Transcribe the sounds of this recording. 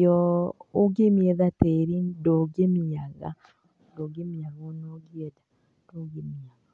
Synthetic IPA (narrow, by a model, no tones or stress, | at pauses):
ɔoɡemiɛðateɾindoɡemiaɣa̰ | doɡemiaɣɔnoɡiɛda | d̥oɣemiaɣa